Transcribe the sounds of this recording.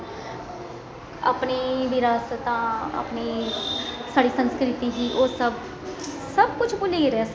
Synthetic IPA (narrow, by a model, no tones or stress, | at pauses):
a̰ːpɳiːʋɪɾaːst̪ãːa̰ːpniː | saːɽiːsənskɾɪt̪iːd͡ʒiːʔoːsəb | səbkʊt͡ʃʰbʊleɾɛs